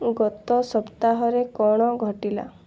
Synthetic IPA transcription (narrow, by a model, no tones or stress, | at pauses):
ɡɔt̪ɔsɔpt̪aɦɔɾekɔɽ̃ɔɡʱɔʈila̰